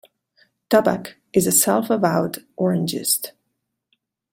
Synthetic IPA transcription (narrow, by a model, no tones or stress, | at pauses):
tʰʌbə̰k | ʔɨzɨsɛlˠfəvaʊdʔɔɹɨ̃nd͡ʒɪ̰st